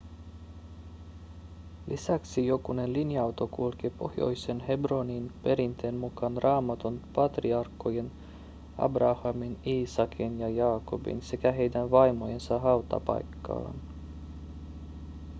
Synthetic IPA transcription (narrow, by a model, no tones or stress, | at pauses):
lʔisæksijokune̞nlinjɑɑwt̪okulk̟ipo̞̰hjo̞̰jsenhe̞broninpeɾint̪eːnmukɑnrɑːmɑt̪onpɑt̪riɑrkːojen | ɑ̰brɑhɑminiːsɑkʰinjɑjɑːko̞bḭnse̞kæɦe̞jdænʋɑjmojensɑɦɑut̪ɑ̰pɑ̰jkːɑ̰ːn